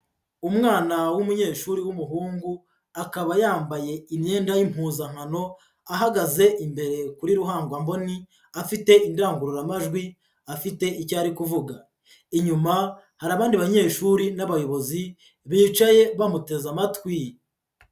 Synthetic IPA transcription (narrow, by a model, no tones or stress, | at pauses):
umŋaːnawumuɲe̞ːʃuɾiwumuɦuːŋɡu | akaβajaːmbaje̞imɲe̞ːndajim̥huːzaŋ̥hano̞ | aɦaɡaze̞ʔimbe̞ɾe̞kuɾiɾuɦaːŋɡwambo̞ni | afite̞indaːŋɡuɾuɾamaʒɡwi | afite̞ʔicaːɾikuvuɡa | iɲuma | haɾaβaːndiβaɲe̞ːʃuɾinaβajo̞βo̞zi | βiːt͡ʃaje̞βamute̞zamatwi